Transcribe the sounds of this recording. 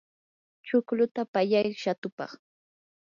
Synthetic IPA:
t͡ʃʊklʊt̪apaʎajʃat̪ʊpɑ̰χ

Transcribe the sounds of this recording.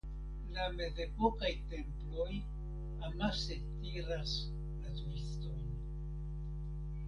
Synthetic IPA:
lame̞ze̞po̞kajte̞mplo̞j | amase̞tiɾas | latuiston

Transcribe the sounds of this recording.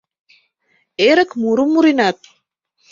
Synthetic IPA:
eːɾɐkmuɾumːuɾinaːt̪̚

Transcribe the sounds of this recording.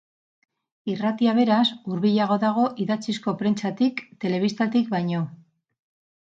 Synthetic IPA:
irat̪iaβ̞e̞ɾasuɾβiʎaɣ̞o̞ðaɣ̞o̞ʔiðat͡sisko̞pɾe̞nt͡sat̪ikt̪e̞le̞β̞ist̪at̪ikbajɲo̞

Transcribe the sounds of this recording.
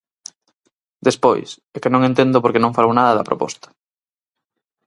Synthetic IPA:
d̪espo̰js | ekenõŋẽnt̪end̪opoɾkenõŋfalownaðɐðɐpɾo̰pɔ̰st̪ɐ̥

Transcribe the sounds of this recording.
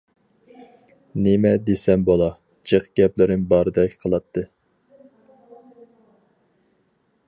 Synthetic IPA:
nemɛd̪esɛmbolˠɑ | d͡ʒeqɡʲɛplɪɾɪŋbɑɾɨd̪ɛkʲʰqʰəlˠɑt̪ʰːɨ

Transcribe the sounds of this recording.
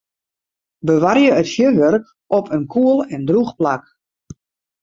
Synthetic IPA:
bəʋarjəətfjøʋørk | ʔɔpʰənkʰuəlˠɛndruxplak

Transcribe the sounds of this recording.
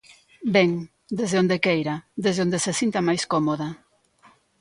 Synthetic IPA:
bɛŋ | d̪ezðeond̪ekejɾad̪ezðond̪esesint̪ɐmajskomoðɐ

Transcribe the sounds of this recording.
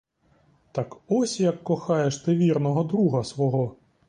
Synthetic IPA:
t̪ɑkɔsʲjɐkːɔxɑjeʂt̪ɪʋʲirnɔɦɔd̪ɾuɦɐsʋɔɦɔ

